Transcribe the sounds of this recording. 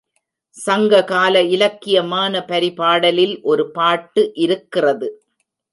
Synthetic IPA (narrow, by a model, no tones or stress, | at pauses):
sɐŋɡɐkaːlɐɪlɐkːɪjɐmaːnɐpɐɾɪpaːɽɐlɪlʔɔɾɯpaːʈːɯʔɪɾɯkːɪrɐðɯ